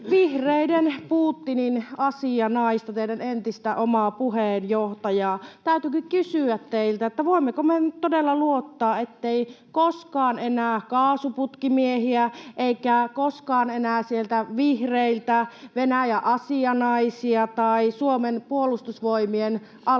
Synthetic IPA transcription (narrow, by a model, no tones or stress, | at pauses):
ʋihreidenpuːt̪ːininɑsiɑnɑist̪ɑt̪eidænent̪ist̪æʔomɑpuheːnjoht̪ɑjɑːt̪æyt̪ykykysyæt̪teilt̪æet̪ːæʋoˑimːekomett̪odelːɑluot̪ːɑːet̪ːeikoskɑːnenæːkɑːsuput̪kimiehiæʔeikækoskɑːnenæːsielt̪æʋihreilt̪æʋenæjæʔɑsiɑnɑisiɑt̪ɑisuomenpuolust̪usʋoimien | ʔɑ